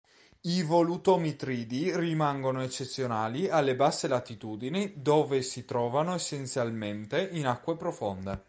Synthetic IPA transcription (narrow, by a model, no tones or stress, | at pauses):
ivolut̪omit̪ɾiːd̪irimaŋɡonoet͡ʃːet̪sːjonaːlialːebasːelat̪it̪uːd̪inid̪oːvesit̪ɾɔːvanoesent̪sjalment̪einakːwepɾofond̪e